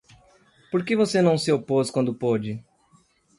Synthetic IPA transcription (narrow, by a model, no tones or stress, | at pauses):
poɾkevosenɐ̃w̃sɪoposkwɐ̃nd̪ʊpod͡ʒɪ